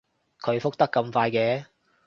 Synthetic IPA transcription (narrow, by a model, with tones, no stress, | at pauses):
kʰɵ˨˧ɥfʊ˥k̚t̪ɐ˥kːɐ˧mfaː˧jkɛː˧